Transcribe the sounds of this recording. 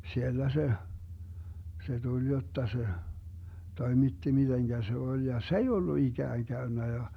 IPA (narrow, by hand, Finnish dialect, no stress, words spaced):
sielːæ se se tulʲ jotːɑ se toimitːi mid̥eŋɡ̊æ se olʲ jɑ s ei olːu iɡ̊æːŋ ɡ̊æynːæ jɑ